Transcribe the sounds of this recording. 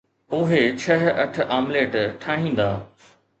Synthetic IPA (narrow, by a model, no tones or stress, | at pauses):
ʊɦet͡ɕʰɐɦɐʈʰʔaːmleːʈʈʰaːɦĩːn̆d̪aː